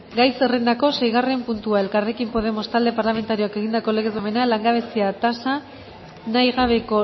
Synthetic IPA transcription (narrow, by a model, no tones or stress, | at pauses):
ɡajse̞re̞nd̪ako̞se̞jɣ̞are̞mpunt̪uae̞lkare̞kimpo̞ð̞e̞mo̞st̪ald̪e̞paɾlame̞nt̪aɾio̞ake̞ɣ̞ind̪ako̞le̞ɣezome̞nalaŋɡaβ̞e̞siat̪asa | najɣaβe̞ko̞